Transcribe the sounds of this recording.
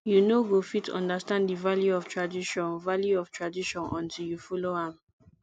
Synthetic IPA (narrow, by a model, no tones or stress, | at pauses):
junoɡofitʰɔ̰̃ndastãnddivaljuɔftʰɹadiʃɔ̃nvaljuɔftʰɹadiʃɔ̃nʔɔ̰̃ntiljufɔloãm